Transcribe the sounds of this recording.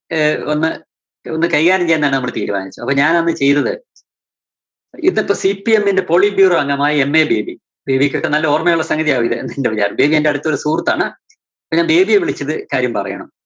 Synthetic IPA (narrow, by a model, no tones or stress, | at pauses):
onːɨ | onːɨkɐjɣaːɾɐmt͡ɕejːnːðaːnɨnɐmːuɭɨt̪iːɾuma̰ːnit͡ɕːuɐpːoɲaːnenːɨt͡ɕe̞jt̪ɐðɨ | inːpːoːsipːie̞mːinde̞po̞ɭibjuːroʋɐŋɡɐmaːjɐemːe̞ːbe̞ːbi | be̞ːbikʲːokːenɐlːɐoːrmejuɭːɐsɐŋɡɐðijaːʋuiðɨ̰nd̪iindeʋit͡ɕa̰ːɾɐmbe̞ːbiende̞ɐɽut̪ːo̞ɾusuːrt̪ːa̰ːɳɨ | ɐpːoɲaːnbe̞ːbijeʋiɭit͡ɕːɐðɨkaːɾjɐmpɐrɐjɐ̰ɳɐ̰m